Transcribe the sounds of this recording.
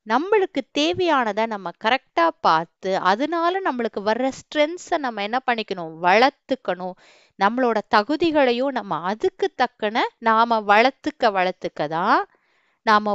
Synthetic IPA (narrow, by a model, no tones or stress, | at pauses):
nɐmːɐɭɯkːɯt̪eːʋɐjaːnɐðãːnɐmːɐkɐɾɛk̚ʈaːpaːɾt̪ɯʔɐðɯnaːlɐnɐmːɐɭɯkːɯʋɐɾːɐsʈɾɛnsɐnɐmːɐɛnːɐpɐɳːɪkʲːɐɳʊ̃ʋɐɭɐɾt̪ːɯkːɐɳʊ̃ | nɐmːɐɭoːɽɐt̪ɐɣɯðɪɣɐɭɐjʊ̃nɐmːɐɐðɯkːɯt̪ːɐkːɐnɐnaːmɐʋɐɭɐɾt̪ːɯkːɐʋɐɭɐɾt̪ːɯkːɐðãː | naːmɐ